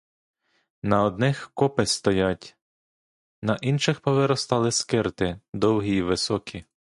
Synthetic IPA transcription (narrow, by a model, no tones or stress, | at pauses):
nɐɔd̪nɪxkɔpest̪ɔjatʲ | nɐʔinʃɪxpɔʋɪɾɔst̪ɑlˠɪskɪrt̪ɪd̪ɔwɦiːʋɪsɔkʲʰi